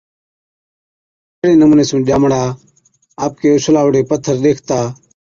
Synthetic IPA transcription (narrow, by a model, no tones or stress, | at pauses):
eːɽeːnəmũːneːsũːʄaːmɽaː | aːp̚keːʊslaːʋəɽeːpət̪ʰːəɾɗ̪eːkʰt̪aː